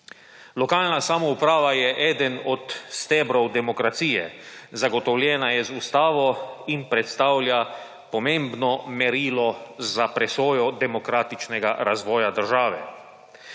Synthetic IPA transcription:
lɔkaːlnasamɔupɾaːʋajɛʔɛːd̪ənɔt̪st̪ɛːbɾɔwd̪ɛmɔkɾat̪siːjɛzaɡɔt̪ɔwlʲjɛːnajɛzust̪aːʋɔinpɾɛt̪st̪aːwlʲja | pɔmẽmbnɔmɛɾiːlɔzapɾɛsoːjɔd̪ɛmɔkɾaːt̪it͡ʃnɛɡa̰ɾazʋɔːjad̪əɾʒaːʋɛ

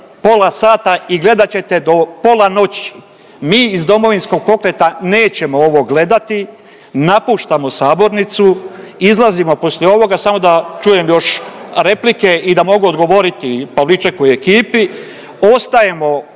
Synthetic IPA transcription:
po̞lˠasaːt̪aiɡle̞d̪at͡ɕe̞t̪e̞d̪o̞po̞lˠano̞t͡ɕi̥ | miːizd̪o̞mo̞ʋinsko̞ɡ̚po̞kɾe̞t̪ane̞ːt͡ɕe̞mooʋo̞ɡle̞d̪at̪i | napuːʃt̪amo̞saːbo̞ɾnit̪su | izlˠazimo̞po̞sʎʲeo̞ʋo̞ɡasamo̞d̪at͡ʃuːje̞mjo̞ʃɾe̞plike̞id̪amo̞ɡuod̪ɡo̞ʋo̞ɾit̪ipaʋlit͡ʃakojekiːpi | o̞st̪aje̞mo̞

